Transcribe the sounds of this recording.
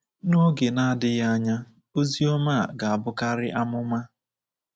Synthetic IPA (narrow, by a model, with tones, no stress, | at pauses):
no˦ɡe˨na˦dɪ˦ja˦ɲa˦ | o˦zi˦o˦ma˦˨ɡa˨a˨bʊ˦ka˦ɾɪ˦ʔa˦mʊ˦ma˦